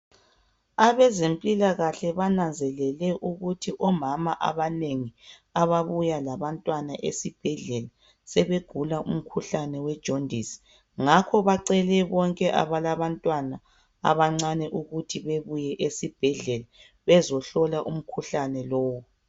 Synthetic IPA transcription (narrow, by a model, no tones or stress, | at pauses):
aβɛzempʼilaɣaɬɛβanand͡zʱɛlɛlɛʔuɣutʰiʔɔmamaʔa̰βaneŋiaβaβujalaβantʼwanaʔḛsib̥ʱɛɮɛla | sɛβeɡ̥ʱulaʔṵm̩kʰuɬanɛwɛd̥ʒ̥ʱondʱisi̥ | ŋakʰɔβaǀɛlɛβɔŋkʼɛʔa̰βalaβantʼwana | a̰βaŋ͡ǀanɛʔuɣutʰiβeβujɛʔesib̥ʱɛɮɛla | βɛzɔɬɔlaʔum̩kʰuɬanɛlɔːwɔ